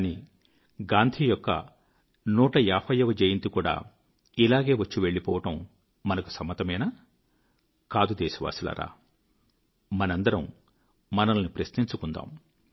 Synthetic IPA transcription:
ni | ɡaːnd̪ʱiːjɔkːɐ̰ | nuːʈɐjaːpʰɐjɐʋɐd͡ʒejint̪ikuːɽa̰ː | ilaːɡe̞ːʋɐt͡ʃːiʋe̞ɭːipɔːʋɐʈɐm | mɐnɐku̥sɐmːɐt̪ɐmɐjnaː | kaːd̪ud̪ɛːsɐʋa̰ːsila̰ɾa̰ː | mɐnɐnd̪ɐɾɐm | mɐnɐlɐnipɾɐsniɲt͡ʃukund̪a̰ːm

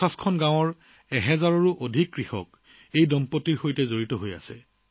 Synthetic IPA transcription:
askʰɔnɡãw̃ɔɹ | ɛɦɛzaɹɔɹuʔodʱikːɹixɔ̰k̚ | ejdɔmpotiɹxojtɛzoɹitɔɦoja̰sɛ̰

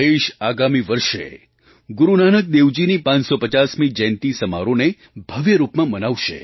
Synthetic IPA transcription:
eʃaɡamiʋəɾʃḛ | ɡuɾunanək̚d̪eʋd͡ʒinipãɲsopət͡ʃasmid͡ʒɛ̃nt̪isəma̰ɾone | bʱəʋjəɾupmãmənaʋʃḛ

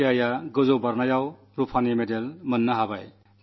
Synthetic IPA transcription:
ajaɡɯzɔwbaɾnajaw | ɾupʰanemedelmɯnːaɦabaj

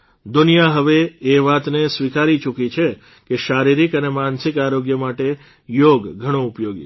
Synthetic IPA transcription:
d̪unijaɦəʋeːʋat̪nesʋikaɾit͡ʃukit͡ʃʰe | keʃaɾiɾikənemansikaɾoɡjəmaʈe | joɡɡʱəɽ̃õʊpjoɡḭ

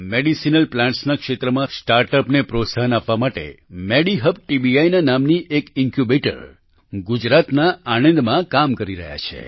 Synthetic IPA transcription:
meɽisinəlplãɳʈsnakʃet̪ɾəmãsʈaɾʈəpnepɾot̪saɦənapʋamaʈḛmeɽiɦəb̚ʈibiajnanamniʔekɪŋkjubeʈə̰ɾ | ɡud͡ʒɾat̪naaɽə̃nd̪mãkamkəɾiɾə̰ɦja̰t͡ʃʰḛ

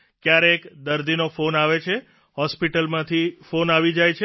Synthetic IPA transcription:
kjaɾeekd̪əɾd̪inofonaʋet͡ʃʰe | hɔspiʈəlmãt̪ʰifonaʋid͡ʒajt͡ʃʰe

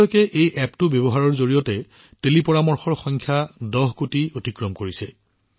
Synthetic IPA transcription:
ɔjkɛʔejʔɛptʊbjɔbɔɦaɹɔɹzoɹijɔtɛ | telipɔɹamɔɹxɔɹxɔŋkʰjadɔɦkutiotikɹɔmkoɹisɛ

